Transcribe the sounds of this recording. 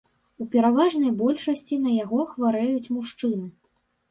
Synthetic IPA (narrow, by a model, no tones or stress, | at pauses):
upʲɛɾavaʐnɐjbɔlʲʂɐsʲt͡sʲin̪ɐjaɣɔxvaɾɛjut͡sʲmuʂt͡ʂɨnɨ